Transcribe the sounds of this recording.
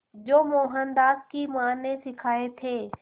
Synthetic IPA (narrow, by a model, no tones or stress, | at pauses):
d͡ʒoːmoːɦənd̪aːskimaːnːesɪkʰaːet̪ʰeː